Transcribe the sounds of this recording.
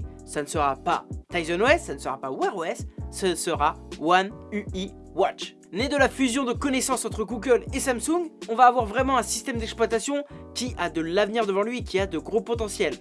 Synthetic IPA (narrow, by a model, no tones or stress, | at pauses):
sanəsəʁapa̰t̪ajzɔnwɛsːanəsəʁapawɛʁɛssəsəʁawanyi | wat͡ʃ | ned̪əlafyzjɔ̃d̪əkɔnɛsɑ̃sɑ̃t̪χəɡuɡʲœlesamsũŋɡɔ̃vaːvwaʁvʁɛmɑ̃ɛ̃sist̪ɛmd̪ɛksplwat̪asjɔ̃kʲiʔad̪əlavniʁd̪əvɑ̃lɥikʲiad̪əɡʁopɔt̪ɑ̃sjɛl